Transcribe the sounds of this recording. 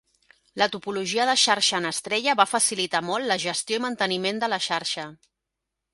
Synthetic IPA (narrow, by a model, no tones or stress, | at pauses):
lət̪upuluʒiəðəʃaɾʃəːnəst̪ɾɛʎəβafəsilit̪amɔlˠt̪ləʒəst̪joimənt̪ənimend̪ələʃaɾʃə